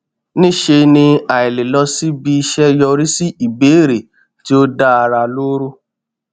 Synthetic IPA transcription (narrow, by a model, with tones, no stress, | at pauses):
nĩ˦ʃe˧nĩ˧a˨e˨le˨lɔ˧si˦bi˧ʃɛ˦jɔ˧ɾi˦si˦i˨be˨˦ɾe˨ | ti˦o˦da˦a˧ɾa˧lo˦ɾo˦